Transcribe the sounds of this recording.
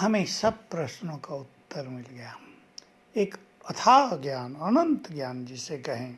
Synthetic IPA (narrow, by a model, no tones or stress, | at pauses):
hɐmẽsɐb̚pɾɐʃnõkaʊt̪ːəɾmɪlɡɐjaː | eːk | ɐt̪ʰaːɡjaːnɐnə̃nt̪ɡjaːnd͡ʒɪsekɐɦẽ